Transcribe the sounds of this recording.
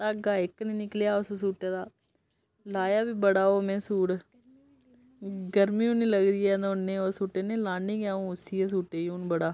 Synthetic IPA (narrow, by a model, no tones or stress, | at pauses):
t̪aːɡaːɪknĩːnɪkljaːʊssuːʈeːd̪aː | laːjaːbiːbəɽaːoːmɛ̃ːsuːɽ | ɡəɾmĩːũːnĩːləɡd̪iːɛːd̪nẽːoːsuːʈeːnẽːlaːnĩːɡaːũːʊsiːeːs̬uːʈeːunbəɽaː